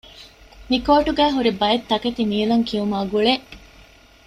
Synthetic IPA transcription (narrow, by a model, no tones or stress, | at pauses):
mikoːʈuɡæːɦuɾibɐjet̪ːɐket̪imiːlɐŋkiumaːɡuɭeʔ